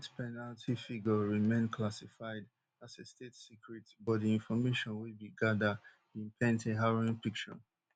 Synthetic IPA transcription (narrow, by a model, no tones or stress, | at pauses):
tpʰɛnaltʰifiɡəɹimẽɪ̃nkʰlasifaɪd | asestetsikɹitibɔdiĩnfɔmeʃɔ̃nwibiɡadə | ĩnpʰɛ̃nteɦaɹoĩnpik̚t͡ʃɔ̰